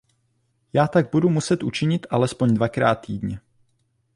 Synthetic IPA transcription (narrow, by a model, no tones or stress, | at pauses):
jaːt̪aɡ̚budumusɛt̪ʔut͡ʃɪɲɪt̪ʔalɛspo̞ɲdvakɾa̰ːt̪ːiːdɲɛ